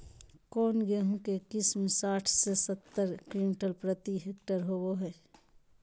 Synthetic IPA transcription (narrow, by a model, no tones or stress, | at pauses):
kɔːnɡeɦũkekɪsmẽsaːʈʰsesət̪ːəɾkɾimɪʈəlpɾət̪iɦeːkʈəɾɦoboɦɛː